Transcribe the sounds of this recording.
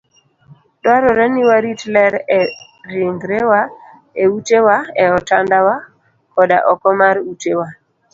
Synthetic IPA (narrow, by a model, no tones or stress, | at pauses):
dwaɾɔɾɛniwaɾitlɛɾɛ | ɾiŋɡɾɛwa | eutewaɛɔtandawa | kɔda̰ʔɔkɔmaɾutewa